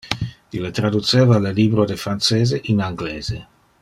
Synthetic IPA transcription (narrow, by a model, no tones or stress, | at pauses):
ilet̪ɾad̪ut̪seːvaleliːbɾod̪efɾanseːzeʔinaŋɡleːze